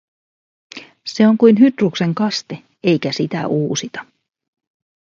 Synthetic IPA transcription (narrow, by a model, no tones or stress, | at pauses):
se̞o̞ŋkujnɦyt̪rukse̞ŋkɑst̪e̞ | e̞jk̟æsit̪æ̰ʔuːsit̪ɑ̥